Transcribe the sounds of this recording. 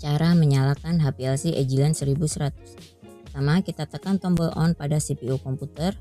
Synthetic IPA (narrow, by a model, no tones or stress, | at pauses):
t͡ʃaɾaməɲalakanɦapiɛlsiʔed͡ʒilansəɾibusəɾat̪ʊ̥s | t̪amakit̪at̪əkant̪ɔmbəlɔ̰npadasipiukɔmput̪ər